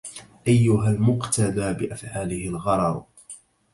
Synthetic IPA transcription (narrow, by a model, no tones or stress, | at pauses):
ʔajːʊɦalmʊqt̪ad̪aːbɪʔafʕaːlɪhɪlɣɑɾˤɑɾˤ